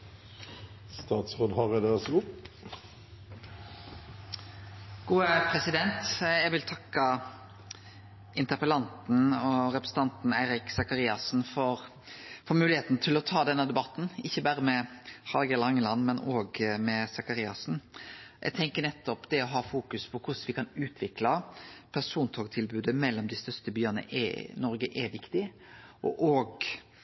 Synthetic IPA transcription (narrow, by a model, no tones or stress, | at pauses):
st̪ɑːt̪sʁoːd̪hɑʁɛd̪esʊp | ɡ̥uːəpʰɾɛsɪd̪ɛnt̪ɛɡʋɪlt̪ʰɑkːɑ | ɪnt̪əpəlɑnt̪n̩ɔɾɛpɾəsn̩ɑnt̪n̩æɪɾɪksɑkɑɾiːɑsn̩fɔɾ | fɔmʉːlɪheːt̪n̩t̪ʰɪlɔt̪ʰɑːd̪ɛnːəd̪ɛbɑt̪n̩ɪçːəbæːɾəmɛhɑlɡɛlɑŋəlɑnmɛnoːɡmɛsɑkɑɾiːɑsn̩ʔɛ̰ɡ̚t̪ʰɛŋkənɛt̪ːɔpd̪ɛɔɦɑːfuːkʉspʰɔkʰʊsʋɪkʰɑnʉːt̪ʰʋɪklɑpʰæsuːnt̪ʰoːɡt̪ʰɪlbʉːd̪əmɛlːɔmd̪ɪst̪œst̪əbyːənə̰ʔɛ̰nɔɾɡəʔɛʋɪkt̪ɪ | ʔɔ̰ʔoːɡ